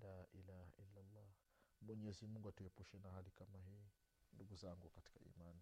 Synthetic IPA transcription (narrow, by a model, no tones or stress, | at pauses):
laːʔilaha̰ʔilːalˤːɑ | mwɛɲɛzimuŋɡuatuɛpuʃɛnahalikamaɦiː | nduɡuzaŋɡukati̥kaḭmani